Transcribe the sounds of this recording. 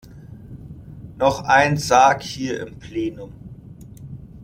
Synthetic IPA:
nɔχʔaɪnzaːkhiːɐʔɪ̰mpʰl̥eːnʊm

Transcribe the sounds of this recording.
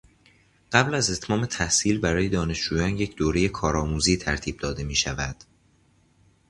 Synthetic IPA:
ɢ̥æblæze̞t̪ʰmɒːme̞t̪ʰæhsiːlbæɾɒːje̞d̪ɒːne̞ʃd͡ʒuːjɒːnje̞cʰd̪oːɾe̞je̞kʰɒːɾɒːmuːziːt̪ʰæɾt̪ʰiːb̚d̪ɒːd̪e̞miːʃævæd̪̥

